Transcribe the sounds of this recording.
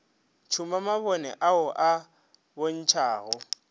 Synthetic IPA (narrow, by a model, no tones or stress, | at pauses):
t͡ʃʰumamaβɔnɛ̰ʔaʊʔa | bon̩t͡ʃʰaːɣʊ